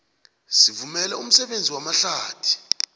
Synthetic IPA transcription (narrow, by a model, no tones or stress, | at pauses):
sivumɛlɛum̩sɛɓend͡zʱiwamaɬaːd̥ʰʱi̥